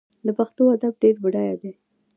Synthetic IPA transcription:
d̪əpaxt̪oad̪ab̚ɖeɾbʊɽajad̪e

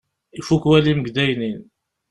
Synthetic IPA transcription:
ifukwæliməɡd̪æjnin

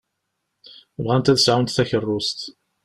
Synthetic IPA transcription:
vʁænt̪æðəsʕawnt̪θæçərˤːʊst̪

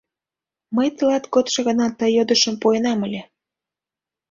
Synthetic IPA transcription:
məjt̪əlɑt̪kot̪ʃɤ̆ɣənɑt̪əjod̪ə̆ʃə̆mpoenɑməlʲe

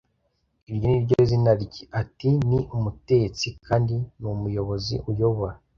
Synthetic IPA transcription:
iɾɟoniɾɟozinaɾiɟiʔatiniʔumutet͡sikʰaːndinumujo̞βo̞zḭʔujoβa

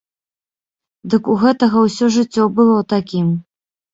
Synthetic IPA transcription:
d̪ɨkuɣɛt̪ɐɣɐwsʲɔʐɨt͡sʲːɔbɨlˠɔt̪akʲim

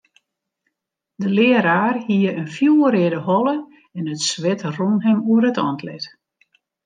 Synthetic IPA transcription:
dəlɪːəɾaːrhiəənfjuːəɾɪdəhɔlˠə | ɛnətsʋɪtrunɦɛmuəɾətɔntʰlɪt

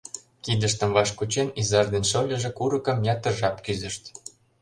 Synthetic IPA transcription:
kid̪ə̆ʃt̪ə̆mvɑʃkut͡ɕenizɑrd̪enʃɤlʲə̆ʒĕkuɾə̆kə̆mjɑt̪ə̆ʒɑpkyzə̆ʃt̪

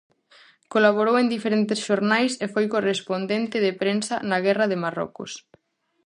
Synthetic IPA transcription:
kolaβoɾowend̪ifeɾent̪ɪsʃoɾnajsefojkorespond̪ent̪ɪðepɾensanaɣɛraðemarɔ̰kʊ̰s

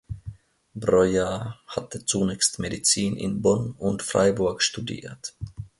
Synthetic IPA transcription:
bʁɔjahatət͡sunɛːçstmedit͡siːnʔɪ̰nbɔnʊntfʁ̥a̰ɪbʊɐkʃtudḭːɐt

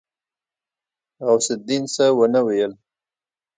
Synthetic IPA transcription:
ɣawsɪt̪̚d̪insəwənəwejəl

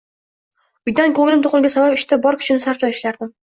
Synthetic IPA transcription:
ʊjd̪ankʰɵŋlɪmt̪ʰʊqʊlˠɡʲasabapɪʃt̪abɒɾkʰʊ̥t͡ʃʰɪnɪsaɾt̪ɒjɪʃlaɾd̪ɪm

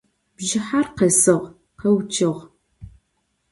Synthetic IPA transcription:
b̥ʒɪħarqesɨʁ | qewt͡ʃʰʼɪʁ

